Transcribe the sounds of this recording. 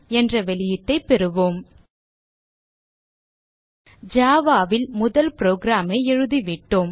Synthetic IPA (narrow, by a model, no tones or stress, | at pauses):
ɛndrɐʋɛɭɪjɪt̪ːɐɪpːɛɾɯʋoːm | d͡ʒaːʋaːʋɪlmʊðɐlpɾoːɡɾaːmɐɪɛɻɯðiʋɪʈːoːm